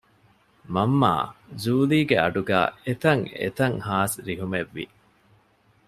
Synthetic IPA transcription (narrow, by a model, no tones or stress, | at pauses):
mɐmːa̰ːzuːliːɡeɐ̰ɖuɡæ̰ːet̪ɐŋḛt̪ɐŋhaːsɾiɦumeʋːḭ